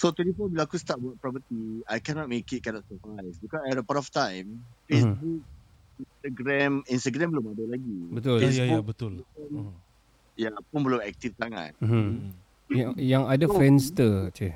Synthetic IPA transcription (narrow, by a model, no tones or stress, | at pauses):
sot̪ɛnifɔbilaakust̪at̚buat̪̚pɹɔpət̪iajkɛnɔt̚mekɪt̚kɛnɔt̚səpɾajsbikɔsɛɾəpaɾɔft̪ãjmfesbuk̚ | inst̪aɡɾɛ̃mĩnst̪aɡɾɛ̃mbəlʊmadəlaɡibət̪ʊljajabət̪ʊln | japʊnbəlʊmɛk̚t̪ifsaŋã̰t̪̚m̩ | jajaŋadafɛnst̪ət͡ʃɛ